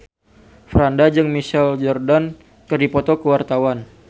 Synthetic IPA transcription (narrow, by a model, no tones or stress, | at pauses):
fɾandad͡ʒɨŋmiʃɛld͡ʒɔrdan | kərdipɔt̪ɔkəwart̪awan